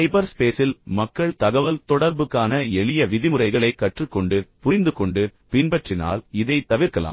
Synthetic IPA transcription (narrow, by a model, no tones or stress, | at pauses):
ɐɪbɐɾspeːsɪlmɐkːɐɭt̪ɐɣɐʋɐlt̪ɔɽɐɾbɯkːaːnɐɛɭɪjɐʋɪðɪmɯrɐɪɣɐɭɐɪkːɐʈrɯkːɔɳɖɯpʊɾɪnd̪ɯkɔɳɖɯpɪnbɐʈrɪna̰ːlɪðɐɪt̪ɐʋɪɾkɐla̰ː